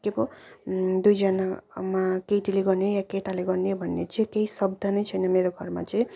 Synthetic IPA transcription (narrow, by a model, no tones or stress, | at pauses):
kebo | d̪ujd͡zʌnamakeʈileɡʌɾneojakeʈaleɡʌɾnebʱʌnːet͡sĩkeisʌbd̪ʱʌnʌjt͡sʰʌjnʌmeɾoɡʱʌɾma̰t͡sʌĩ